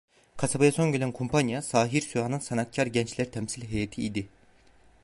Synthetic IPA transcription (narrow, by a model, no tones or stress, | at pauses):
kʰasabajaso̞nɟelʲænkʰompʰanjasaːɦiɾsyaːnɯnsanat̪̚cʰaɾɟɛnt͡ʃlʲæɾt̪ʰɛmsilʲɦejat̪ʰiid̪i